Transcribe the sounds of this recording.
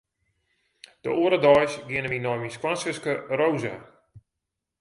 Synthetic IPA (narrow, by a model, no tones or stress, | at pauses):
d̥ə̰oəɾədɔjsɡɪənəminɔjmiskwansəskərowza̰